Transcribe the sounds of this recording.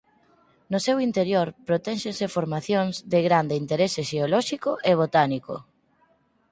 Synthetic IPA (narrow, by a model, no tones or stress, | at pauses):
nosewint̪eɾjoɾpɾot̪ɛnʃẽnsefoɾmaθjoŋzðeɣɾand̪ɪint̪eɾeseʃeolɔʃikʊʔeβ̞ot̪aniko̰